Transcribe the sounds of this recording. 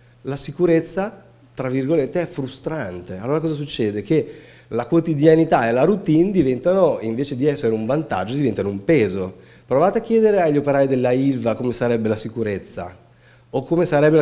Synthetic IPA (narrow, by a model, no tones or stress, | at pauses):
lasikuɾet̪sːa | t̪ɾavːirɡolet̪ːeɛfɾust̪ɾant̪ealoːɾakɔːzas̬ut͡ʃːɛːd̪eke | lakwot̪id̪janit̪aelaɾut̪ind̪ivɛnt̪anoiɱveːt͡ʃed̪iɛsːeɾeuɱvant̪a̰d͡ʒːod̪ivɛnt̪anoumpeːzo | pɾovaːt̪eak̟jɛːd̪eɾeaʎːopeɾaːid̪elːailvakomesaɾɛbːelasikuɾet̪sːa̰ | okːomesaɾɛbːe